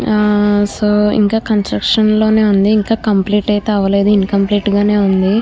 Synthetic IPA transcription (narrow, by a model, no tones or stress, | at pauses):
soːḭŋkaːkɐnsʈɾɐkʂɐnlo̞ːne̞ːund̪iːŋkaːkɐmpliːʈɐjt̪eɐʋɐle̞ːd̪uinkɐmpliːʈɡaːne̞ːund̪i